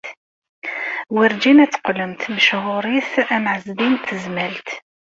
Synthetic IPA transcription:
wiɾd͡ʒinæt͡sːqləmt̪məʃɦʊɾˤiθæmʕəzbint̪əzmælt̪

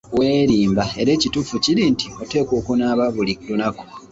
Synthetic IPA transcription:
we̞ːɾiːmbae̞ɾe̞ːcitufuciɾintio̞te̞ːko̞ːkonaːβaβuliklunako̥

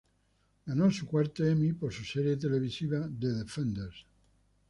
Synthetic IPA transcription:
ɡanosukwaɾt̪eemipoɾsuseɾjet̪̬eleβ̞isiβaðeðefẽnd̪eɾs

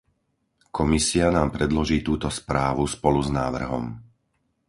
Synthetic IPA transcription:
kʰɔmisianaːmpɾɛd̪lɔʒiːt̪uːt̪ɔspɾaːʋuspɔluznaːʋr̩ɦɔ̰m

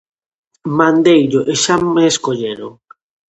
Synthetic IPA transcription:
mãnd̪ejʎʊʔeʃameːskoʎeɾʊ̰

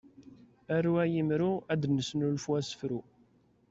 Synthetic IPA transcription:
æruæjimɾuæd̪nəsnulfwæsə̥fɾu

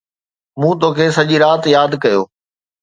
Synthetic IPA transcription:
mũːt̪oːkʰeːsɐʄiɾaːt̪jaːd̪kɐjo̰ː

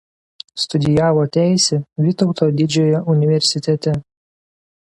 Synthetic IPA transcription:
st̪ʊd̪ʲɪjæːʋoːt̪ʲæˑɪsʲeʋʲɪt̪ɔʊt̪oːd̪ʲɪd͡ʒʲoːjɛʔʊnʲɪʋʲɛɾʲsʲɪt̪ʲɛt̪ʲɛ

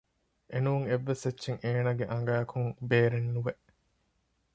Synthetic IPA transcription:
ʔenuuŋeʋːesʋetːʃeŋʔeːnɐɡeʔɐŋ̆ɡæːɐkʰuŋbeːɾenːuʋeʔ

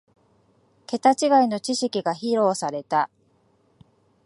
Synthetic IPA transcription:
ke̞t̪at͡ɕiɡaino̞t͡ɕiɕikʲiɡaçiɾo̞ːsaɾe̞t̪a

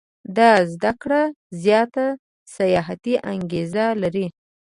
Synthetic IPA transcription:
d̪ɑzd̪akɽa | zjɑt̪a | sajɑɦat̪iʔaŋɡezalaɾi

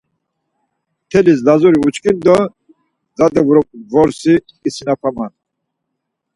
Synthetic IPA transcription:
t̪ʰɛlis̬lazɔɾiut͡ʃkʼind̪ɔ | zad̪ɛvɾɔvɔɾsi | isinapʰaman

